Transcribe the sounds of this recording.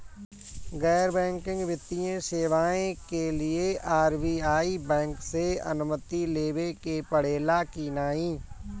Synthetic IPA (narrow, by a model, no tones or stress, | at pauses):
ɣɛːɾbɛ̃ːŋkɪ̃ŋɡʋjɪt̪ːijẽseːʋaːẽkelieaːɾbiːaːibɛ̃ːŋkseɐ̰nʊmət̪ileːʋekepəɽ̤eːlakiːnaːĩː